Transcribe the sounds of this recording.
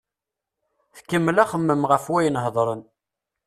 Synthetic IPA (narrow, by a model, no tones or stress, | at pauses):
θkːəmːlæχəmːəmʁəfwæjənɦðˤɾˤən